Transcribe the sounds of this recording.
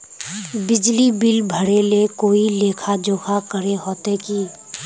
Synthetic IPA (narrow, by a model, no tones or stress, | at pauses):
bɪd͡ʒlibɪlbʱəɽelekoːileːkʰad͡ʒoːkʰakəɾeɦoːt̪eki